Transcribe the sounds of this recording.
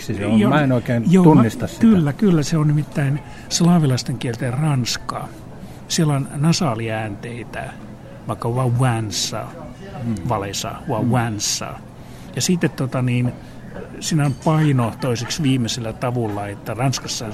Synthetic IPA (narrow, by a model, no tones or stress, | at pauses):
siseomæenoikeːnjoːt̪unːist̪ɑsskylːækylːæseonnimit̪ːæin | slɑːʋilɑist̪eŋkielt̪errɑnskɑ̰ | sielonnɑsɑːliæːnt̪eit̪æ̰ | ʋɑikːɑʋɑwænsːɑ̰ | ʋɑlesɑ̰uɑwænsːɑ̰ | jɑsiːt̪ːet̪t̪ot̪ɑniːn | siːnopɑinot̪oiseksʋiːmeselːæt̪ɑʋulːɑet̪ːærɑnskɑsːɑɑ